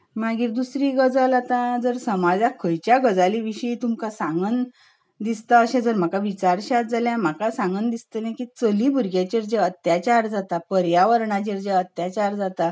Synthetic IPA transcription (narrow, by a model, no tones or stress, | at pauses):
maɡiːɾd̪usɾiːɡəd͡zəlat̪ãd͡zəɾsəmad͡zakʰəjt͡ɕjaɡəd͡zaliʋiɕəit̪umkasãŋɡən | d̪ist̪aəɕãd͡zəɾm̤akaʋit͡ɕaɾɕat̪̚d͡zaljãm̤akasãŋɡənd̪ist̪ənãkit͡səliːbʱuɾɡjat͡ɕeɾd͡ʑeət̪jat͡ɕaɾd͡zat̪apəɾjaʋəɾɳat͡ɕeɾd͡ʑeət̪jat͡ɕaɾd͡zat̪a